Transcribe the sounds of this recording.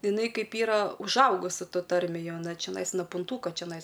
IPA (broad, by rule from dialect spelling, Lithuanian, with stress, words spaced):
ɪˈnɐɪ ˈkɐɪp ˈiːrɐ ʊʒˈɐʊɡʊsʲɪ ˈtoːj ˈtɐrʲmʲeːj ˈjɛʊ ɐˈnɐ t͡ʃʲɛˈnɐɪs noː pʊnˈtuːkoː t͡ʃʲɛˈnɐɪs